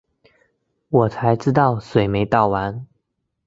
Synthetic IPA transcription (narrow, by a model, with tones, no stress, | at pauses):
wɔ˨˩t͡sʰa˧˥ɪʈ͡ʂɻ̩˥t̪ɑ˥˨ʊswe˨˩ɪme˧˥ɪt̪ɑ˥˨ʊwa˧˦n